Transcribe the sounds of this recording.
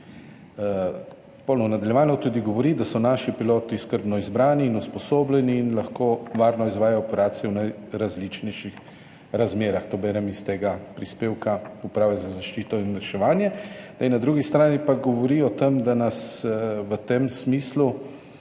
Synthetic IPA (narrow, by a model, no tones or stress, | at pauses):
pɔwlnɔnad̪aljɛʋaːnɔt̪ud̪iɡɔʋɔɾid̪asɔnaːʃipiloːt̪iskəɾbnɔizbɾaːniːnuspɔsoːblʲɛniːnlaxkoːʋaːɾnɔizʋaːjaɔpɛɾaːt̪sijɛwnaj | ɾazlit͡ʃnɛjʃix | ɾazmeːɾaxt̪oːbɛɾɛmist̪eːɡapɾispeːwkaupɾaːʋɛzazaʃt͡ʃiːt̪ɔinɾɛʃɛʋaːnjɛd̪ajnad̪ɾuːɡist̪ɾaːnipaɡɔʋɔɾiɔt̪emd̪anasʋət̪emsmiːslu